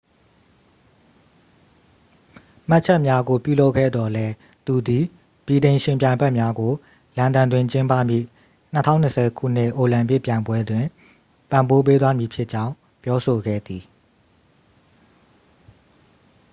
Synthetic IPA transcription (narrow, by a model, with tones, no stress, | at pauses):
ma˦ʔt͡ɕʰɛ˦ʔmja˦ɡo˨pjṵ˦˨lo˦ʊʔkʰɛ̰˦˨d̪ɔ˨lɛ˦ | t̪u˨d̪i˨ | b̥i˨dẽ˨ɪ̃ʃɪ̃˨mpjã˨ɪ̃mbɛ˦ʔmja˦ɡo˨ | lã˨ndã˨ndwɪ̃˨ɲt͡ɕɪ̃˦mpä̰˦˨mjḭ˦˨ | n̥ətʰã̰˦˨ʊ̃nːə˨sʰɛ˨kʰṵ˦˨n̥ɪ˦ʔo˨lã˨mpɪ˦ʔpːjã˨ɪ̃mbwɛ˦dwɪ̃˨ | pã˨mbo˦p̬e˦t̪wa˦mji˨pʰjɪ˦ʔt͡ɕã˦ʊ̃ | pjɔ˦so˨ɡɛ̰˦˨d̪i˨